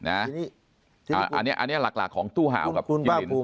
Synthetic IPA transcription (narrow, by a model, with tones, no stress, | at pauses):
na˦˥ | aː˨˧˩ʔa̰˧nːi˦˥ɐʔa˧nːi˦˥ɐ˩la˨˩k̚la̰˨˩kʰːɔː˩˦ŋt̪uː˥˩ɦa̰ː˨˦wka˨˩˧t͡ɕːn˧